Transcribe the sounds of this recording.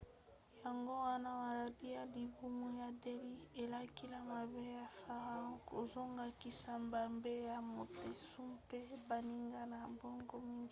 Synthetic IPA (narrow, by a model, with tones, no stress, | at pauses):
ja˨ŋɡo˦wa˦na˦ma˨la˨di˦ja˨li˨bu˦mu˦ja˨de˦li˦e˨la˦ki˦la˨ma˨be˦ja˨fa˨ʁa˦ko˨zo˦ŋɡa˨ki˨sa˨mba˨mbe˦ja˨mo˨te˨su˦mpe˦ba˨ni˦ŋɡa˦na˨mbo˦ŋɡo˦mi˦ŋɡi˦